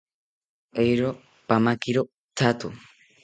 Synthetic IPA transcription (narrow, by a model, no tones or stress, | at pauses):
ejɾo | pamakiɾo | t̪ʰat̪u